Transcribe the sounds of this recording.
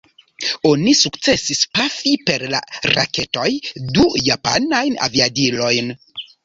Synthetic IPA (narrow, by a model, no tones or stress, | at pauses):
o̞nisukt͡se̞sispafipe̞ɾla̰ɾa̰ke̞to̞jdujapa̰najna̰viadilo̞jn